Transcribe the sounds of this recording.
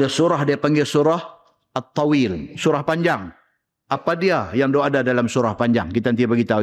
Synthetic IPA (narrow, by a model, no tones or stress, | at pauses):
dasuɾahdiapaŋɡɛsuɾah | at̪ːɑwilsuɾahpaɲd͡ʒaŋ | apadiajaŋdoɦadadalamsuɾahpaɲd͡ʒaŋkit̪ant̪̬ipaɡit̪au